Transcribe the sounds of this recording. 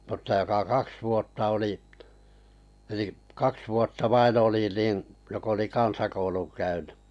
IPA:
mutːɑ jokɑ kɑks ʋuotːɑ oli eliʔ kɑks ʋuotːɑ ʋɑin oli nin jok oli kɑnsɑkouluŋ kæynẙ

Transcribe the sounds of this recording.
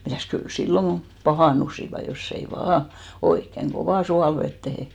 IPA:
mitæˑs kyl silːoŋ ɡ̊o pɑhɑˑnˑusiʋɑ josː ei ʋɑː oikːeŋ ɡ̊oʋɑˑ suɑlʋetːehe

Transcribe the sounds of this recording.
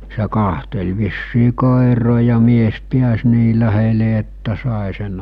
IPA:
se kɑhtel ʋisːiː koˑeroː jɑ mies piæs niː læhele etːæ sɑˑe sen

